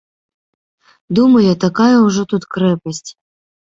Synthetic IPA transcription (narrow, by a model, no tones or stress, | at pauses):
d̪umɐjɐt̪akajɐuʐɔt̪ut̪kɾɛpɐsʲtʲ